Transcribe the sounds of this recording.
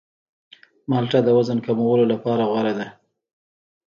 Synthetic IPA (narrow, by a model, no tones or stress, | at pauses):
mɑlʈad̪əwazənkamowəlolapɑɾaɣwaɾad̪a